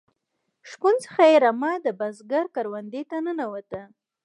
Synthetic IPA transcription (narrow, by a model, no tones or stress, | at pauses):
ʂkunt͡sə̥xajeɾamɑd̪əbazɡaɾkaɾwand̪et̪anənawat̪a